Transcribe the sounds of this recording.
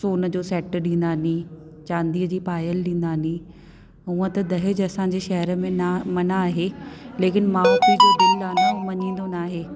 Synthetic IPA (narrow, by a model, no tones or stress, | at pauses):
soːnəd͡ʑoːsɛːʈɗĩːn̆d̪aːnĩ | t͡ɕãːnd̪iːəd͡ʑiːpaːjəlɗĩːn̆d̪aːnĩ | ɦũːə̃t̪ɐd̪ɐɦɪd͡ʑɐsãɲ̆d͡ʑeʃɐɦəɾə̆mẽnamɐnaːɦeːleːkɪnmãt̪id͡ʑoːɖɪlaːnamɐɲĩːn̆d̪onaːɦeː